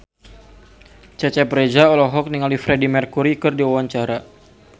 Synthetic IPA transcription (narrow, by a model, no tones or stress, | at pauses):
t͡ʃat͡ʃapɾed͡ʒaɔlɔɦɔk̚niŋalifɾedimɛrkuɾikɨrdiawaɲt͡ʃaɾa